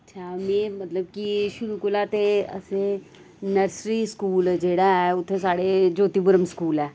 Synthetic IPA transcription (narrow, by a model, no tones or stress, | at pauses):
ɐtːʃʰaːmẽːmət̪ləbkiʃʊɾukʊlat̪eə̰se | nəɾsɾiskuːld͡ʒeːɽaɦɛʊt̪ʰːesaːɽed͡ʒoːt̪ibʊɾəmskuːlɛː